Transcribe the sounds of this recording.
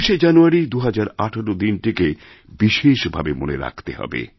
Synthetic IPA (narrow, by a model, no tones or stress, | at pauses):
ʃed͡ʑanuaɾid̪uɦad͡ʑaɾaʈʰoɾod̪inʈike | biʃeʃbʱabemo̰neɾa̰kʰt̪eɦɔ̰bḛ